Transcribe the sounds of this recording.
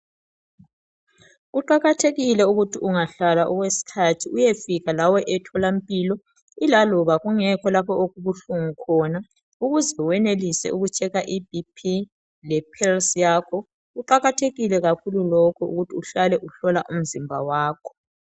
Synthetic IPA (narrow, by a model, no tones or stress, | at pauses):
ɣuǃaɣatʰeɣilɛuɣutʰiuŋaɬalaʔɔɣwesi̥kʰatʰiujefiɣalawɔʔɛtʰɔlampʼiːlɔ | ilalɔβaɣuŋɛkʰɔlapʰɔoɣuβuɬuŋukʰɔna | uɣuzɛwɛnelisɛ̰uɣut͡ʃʰɛɣaʔibipʰi | lɛpʰɛlsjaːkʰɔ | ɣuǃaɣatʰeɣilɛɣakʰululɔkʰɔṵɣutʰiuɬalɛʔuɬɔlaʔum̩zimbʱa̰waːkʰɔ̥